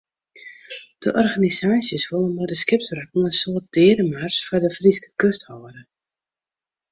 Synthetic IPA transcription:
d̥əʔɔrɣanizaːsjəsʋolˠənmɔdəskɪp̚srakŋ̩ənsoət̚d̥ɪːɾəmarsfɔdəfriskə̥køsthoːəɾə

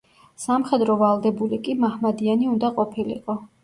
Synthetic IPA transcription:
samχɛd̪ɾɔvalˠd̪ɛbulikʼimahmad̪ianiund̪aqʼɔpʰilḭqʼɔ

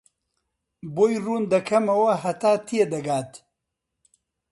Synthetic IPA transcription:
boːjruːnd̪ɐkʰɐmɐwɐɦɐt̪aːt̪ʰied̪ɐɡaːt̪

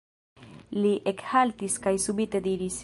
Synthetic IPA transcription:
liʔekhalt̪iskajsubit̪e̞d̪iɾis

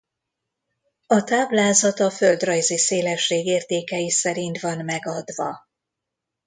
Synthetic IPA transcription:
ɒt̪aːblaːzɒt̪ɒføld̪rɒjziseːlɛʃːeːɡeːrt̪eːkɛjisɛɾint̪ʋɒnmɛɡɒd̪ʋɒ

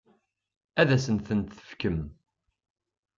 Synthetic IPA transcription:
æðæsənθənt̪θə̥fkəm

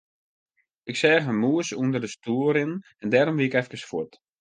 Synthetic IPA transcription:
ɪksɛːɣəmuəsuəndərdəstuəɾɪnɛndɛːɾɔmʋiɪkɛfkəsfwut

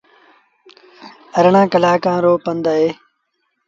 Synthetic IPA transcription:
əɾɳãːkəlaːkãːɾoːpənd̪aːɦeː

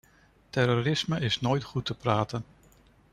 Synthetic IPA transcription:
tɛɾoɾɪsməɪsnoːjtχutəpraːtən

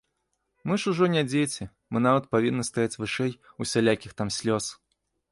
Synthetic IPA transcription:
mɨʂuʐɔnʲad͡zʲejt͡sʲɛ | mɨnavɐt̪̚pavʲinːɨst̪ajat͡sʲvɨʂɛj | usʲalʲakʲixt̪amsʲlʲɔs

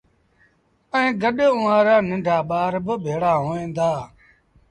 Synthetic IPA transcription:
əẽːɡəɗʊʋãːɾaːnɪ̃ɳɖʱaːɓaːɾbəbʱeːɽaːɦoːẽːnd̪aː

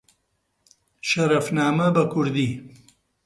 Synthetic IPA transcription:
ʃɐɾɐfnaːmɐbɐkʰʊɾd̪i

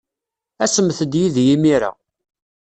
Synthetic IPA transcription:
æsəmθəd̪jiðjimiɾa̰

